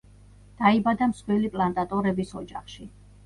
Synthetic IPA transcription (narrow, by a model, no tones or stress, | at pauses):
d̪̥aibad̪amsχwɛlipʼlˠant̪ʼat̪ʼɔɾɛbisɔd͡ʒaχʃi